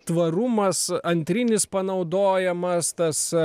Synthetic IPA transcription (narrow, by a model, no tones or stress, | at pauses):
t̪ʋɐɾʊmɐsɐnʲt̪ʲɾʲɪnʲɪspɐnɐʊd̪oːjɛmɐst̪ɐs